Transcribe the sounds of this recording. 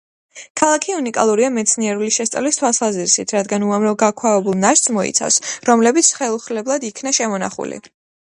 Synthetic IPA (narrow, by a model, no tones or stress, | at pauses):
kʰalˠakʰiunikʼa̰lˠuɾiamɛt̪sʰniɛɾuliʃɛst̪ʼalist̪ʰwalˠsaziɾisit̪ʰɾad̪ɡanuamɾɔɡakʰwavɛbulˠnaɾt̪smɔḭt̪sʰa̰fsɾɔmlɛbit̪sʰχɛlˠuχlɛblˠad̪ikʰnaʃɛmɔna̰χṵlḭ